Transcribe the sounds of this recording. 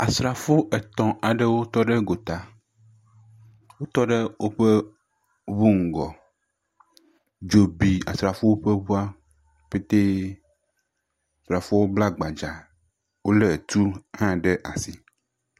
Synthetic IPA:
a˨sɾa˨fo˦ʔɛ˨t̪ɔ̃˨a˨ɖe˦wo˦t̪ɔ˦ɖe˦ɡo˨t̪a˨ | wo˦t̪ɔ˦ɖe˦wo˦ɸe˦ | βu˦ŋ̩˨ɡɔ˨ | d͡ʒo˨bi˨a̰˨sɾa˨fo˦wo˦ɸe˦βu˦a˦ | ɸe˦t̪e˦ | a˨sɾa˨fo˦wo˦bla˦ɡ͡ba˨d͡ʒa˨ | wo˦le˨t̪u˦hã˦ɖe˦ʔa˨si˦

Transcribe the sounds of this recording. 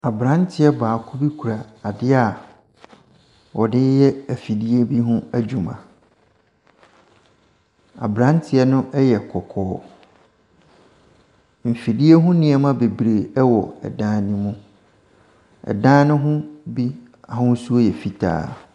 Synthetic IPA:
a˨bɾã˦ntʰɪ˨˦ɛ˦baː˨kʰʊ˦bi˦kʰu˨ɾa˨a˨dɪ˦a˨ | wɔ˨dɪ˦jɛ˦æ˨fi˨di˦e˦bi˦ɦʊ̃˦æ˦d͡ʑᶣu˨mã̰˨ | a̰˨bɾã˦ntʰɪ˨ɛ˦nʊ̃˦ʔɛ˦jɛ˨kʰɔ˨kʰɔː˦ | m̩˨fi˨di˦e˦ɦʊ̃˦nɪ̃˨ɛ˨mã˦be˨bɾe˨ɛ˦wɔ˨ɛ̰˨dãː˦nɪ̃˦mũ˦ | ɛ̰˨dãː˦nɪ̃˦ɦʊ̃˦bi˦ | a˨hʊ̃˦n˦su˦o˦jɛ˨fi˨tʰa̰ː˦˨

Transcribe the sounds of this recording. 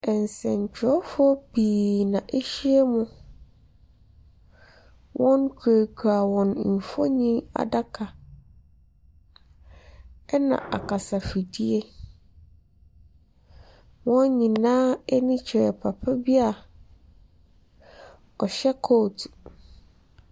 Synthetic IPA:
ɛ˨n˨sɛ̰̃˨ɲ˨t͡ɕʰᶣɪ˨˦ɔ˦fɔ˦b̥iː˨nã˨ʔe˦ɕi˦e˦mʊ̃˦ | wʔɔ̃˦nkʰu˨e˨kʰu˨a˨wɔ̃˨n˨m̩˨fɔ˦ɲĩ˦a̰˨da˦kʰa˨ | ɛ˦nã̰˨ʔa̰˨kʰa˨sa˨fi˨di˦e˦ | wɔ̃˦nɲĩ˨nã˦ɛ˦nĩ˦t͡ɕʰɾɛ˨pʰa˨pʰa˦bi˦a˨ | ɔ˨ɕɛ˦kʰo˦˨tʰ

